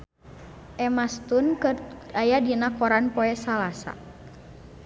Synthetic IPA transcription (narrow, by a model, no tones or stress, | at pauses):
ʔɛmast̪unkəajadinakɔɾanpɔɛsalasa̰